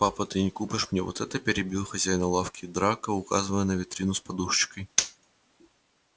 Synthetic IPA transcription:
papət̪ɨnʲɪkupʲɪʂmnʲevo̰t̪ɛt̪əpʲɪɾʲɪbʲilˠxɐzʲæjnəlˠafkʲɪd̪ɾakəʊka̰zɨvəjənəvʲɪt̪ɾʲinʊspɐd̪uʂt͡ɕɪ̥kəj

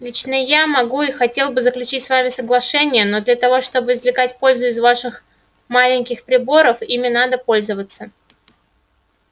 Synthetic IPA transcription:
lʲit͡ɕnəjamɐɡuixɐtʲelˠbɨzəklʲʉt͡ɕitʲsvamʲɪsəɡlˠɐʂɛnʲɪjəno̞d̪lʲat̪ɐvo̞ʂt̪o̞bɨɪzvlʲɪkatʲpo̞lʲzʊɪzvaʂɨx | malʲɪnʲkʲɪxpɾʲɪbo̞ɾəfimʲɪnad̪əpo̞lʲzəvət̪sə

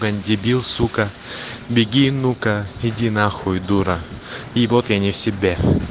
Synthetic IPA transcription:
ɡɐnʲdʲɪbʲilˠsukɐ | bʲɪɡʲinukɐɪdʲinaxʊjd̪uɾɐivot̪janʲɪfsʲɪbʲe

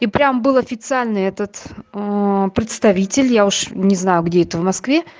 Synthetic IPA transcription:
ipɾʲambɨlˠɐfʲɪt̪sɨalʲnɨɛt̪ət̪ | pɾʲɪt̪st̪ɐvʲitʲɪlʲjaʊʂnʲɪznajʊɡdʲeɛt̪əvmɐskvʲe

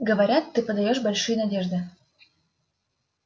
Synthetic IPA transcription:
ɡə̆βaɾʲat̪ːɨpəd̪ajoʃbolʲʃujnadʲeʒd̪ə

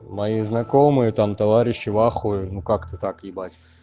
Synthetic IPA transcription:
mɐjiznɐkomɨjət̪amt̪ɐvaɾʲɪɕːɪvaxʊjnukakt̪ət̪akɪbatʲ

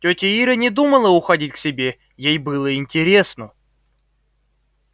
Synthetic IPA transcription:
tʲotʲɪiɾənʲɪd̪uməlˠəʊxɐdʲitʲksʲɪbʲe̞ | jejbɨlˠəɪnʲtʲɪɾʲe̞snə

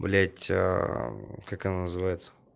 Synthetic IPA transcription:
blʲætʲ | kakɐnanəzɨvajɪt̪sə̥

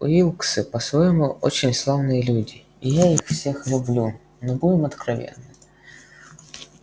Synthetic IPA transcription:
ʊilˠksɨpɐsvojɪmuʔo̰t͡ɕɪnʲslˠavnɨjəlʲudʲɪːjaixfsʲe̞xlʲʊblʲu | nɔbudʲɪmɐt̪kɾɐvʲḛnːɨm

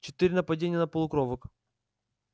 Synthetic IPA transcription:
t͡ɕɪ̥t̪ɨɾʲɪnəpɐdʲenʲɪjənəpəlˠʊkɾovək

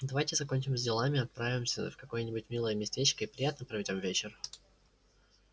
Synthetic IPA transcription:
d̪ɐvajtʲɪzɐko̞nʲt͡ɕɪmzʲdʲɪlˠamʲɪɐt̪̚pɾavʲɪmsʲə̰fkɐko̞jənʲɪbʊtʲmʲilˠəjəmʲɪsʲtʲet͡ɕkəipɾʲɪjat̪nəpɾəvʲɪdʲo̞mvʲet͡ɕɪr

